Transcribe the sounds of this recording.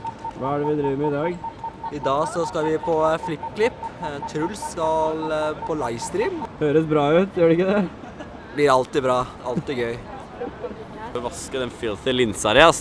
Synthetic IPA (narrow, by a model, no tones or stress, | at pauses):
ʋɑːæɖɛʋɪd̪ɾiːʋəɾmɛɪd̪ɑːɡɪd̪ɑːsɔskɑlʋɪpʰɔflɪkːkʰlɪpːt̪ʰɾʉlsːkɑlpʰɔlɑɪʋst̪ɾiːmhøːɾəsbɾɑːʉt̪jøːɖɛɪkːəd̪ɛ | blɪɾɑlt̪ɪbɾɑː | ɑlt̪ɪɡœʏ | əʋɑskəd̪ɛnfɪlt̪ɪlɪnsɑɾɛɑs